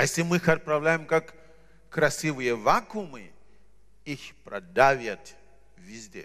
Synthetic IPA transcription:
ajesʲlʲɪmɨxɐt̪̚pɾavlʲajɪmkakː | ɾɐsʲivɨjəvakumɨ | ixpɾɐ̰d̪avʲjat̪ | vʲizʲdʲḛ

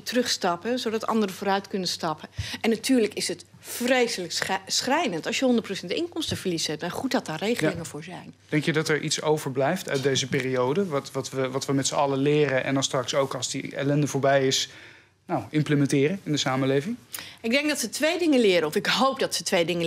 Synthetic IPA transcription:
trɵχstɑpəzowdɑtɑ̰ndərəvoːɾœɥtkɵnənstɑpəʔɛnːatʰyːɹləkɪsət | frejsələksχrɛjdəntɑlˠsjəɦɔndətprowsɛntɪŋkɔmstəv̥əɹlisɛp̚daχut̚dɑt̚daːrejχəlɪŋənv̥ʊːɹzɛjnd̥ɛŋkjədɑtəɹʔitsowvəɹblɛjftœ̰ɥt̚dejzəpɪːriowdəʋɑtʋɑtʋəʋɑtʋəmɛtsəɑləlɪːɾəʔɛ̰ndɑnstrɑksowkɑlˠzdiɛ̰lɛndəvoːɹbɛjɪs | nawɪmpləmɛ̃ntɪːrəɪndəsaːməlejvɪŋɪɡ̚dɛŋkɡdɑtsətʋejdɪŋənlɪːɾəɔfɪkɦowpdɑtsətʋejdɪŋə

